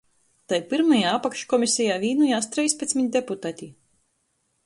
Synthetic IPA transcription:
t̪ajpiɾmajaːapakʃkɔmisʲɛjaːvʲiːnujaːst̪ɾɛjsʲpʲɛsʲmʲiɲʲd̪ʲeput̪aːt̪ʲi

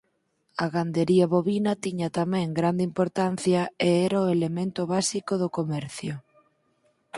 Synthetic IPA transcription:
ɐɣand̪eɾiɐβoβinɐt̪iɲɐt̪amɛ̃ŋɡɾand̪impoɾt̪an̟θjɐeɛɾaoelemẽnt̪ʊβasikoðʊkomɛɾθjʊ

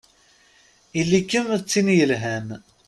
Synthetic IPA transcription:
ilːikːəmt͡sːinjəlɦæm

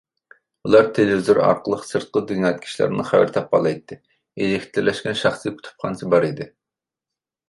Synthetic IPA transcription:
ulˠɑɾt̪ʰelevizoɾɑ̰ɾqəlˠəqsɨɾt̪̚qəd̪yŋɑt̪̚kʲʰi̥ʃlˠæ̰ɾnɨχæwɪɾt̪ʰɑp̚ɑlˠɑjt̪ːɨ | elɪkʲʰi̥t̪ʰlɪɾlɛʃkʲɛnʃɑχskʰʲy̥t̪ʰy̥p̚qʰɑnsɨbɑɾid̪ɪ

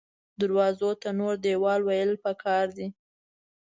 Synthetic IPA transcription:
d̪aɾwɑzot̪anoɾd̪ewɑlwajəlpəkʰɑɾd̪i

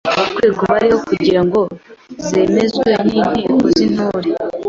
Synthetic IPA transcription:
kwe̞ːɡoβaɾiho̞kuɟiɾaŋɡo̞ze̞ːme̞zweninimuzin̥oːɾe

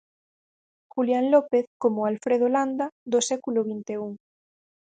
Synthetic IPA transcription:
xuljaŋlɔpeθkomoalfɾeð̞oland̪ad̪osɛkuloβint̪euŋ

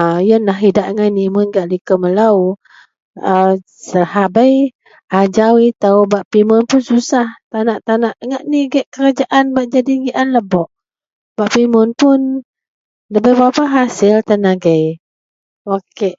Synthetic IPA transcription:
jənlaɦidaʔŋajnimʊnɡaʔlikəməlaw | ə | səɦabəj | ad͡ʒawit̪awbaʔpimʊnpʊnsusaht̪anaʔt̪anaʔŋaʔniɡɛʔkəɾad͡ʒaʔanbaʔ̚d͡ʒadiɡiʔanləbɔʔ | b̥aʔpimʊnpʊn | ləbəjbapaɦasɪlt̪anaɡəj | okeʔ

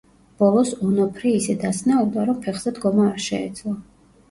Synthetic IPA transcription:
b̥ɔlˠɔsɔnɔpʰɾiisɛd̪asnaud̪aɾɔmpʰɛχz̥ɛd̪ɡɔmaːɾʃɛɛ̰d̪zlˠɔ

